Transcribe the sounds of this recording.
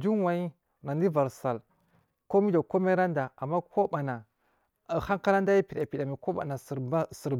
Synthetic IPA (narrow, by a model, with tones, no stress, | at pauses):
d͡ʒu˦n˦wa˨i˦ | na˨ndi˦va˨ɾsa˨l | ko˦mi˦da˨ko˦me˦ɾa˦nda˨a˨mːa˦kʰo˦ba˨na˨ | ha˦ŋka˦la˦n˦da˦ji˦pi˨ɗa˨pi˨ɗa˨mi˨ko˦ba̰˨na˨˦si˨ɾ